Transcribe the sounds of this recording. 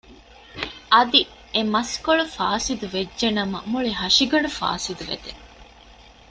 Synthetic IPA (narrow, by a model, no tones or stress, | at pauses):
ʔɐd̪i | emɐskoɭufaːsid̪uʋeːʒenɐmɐmuɭiɦɐʃiɡɐɖufa̰ːsid̪uʋḛd̪e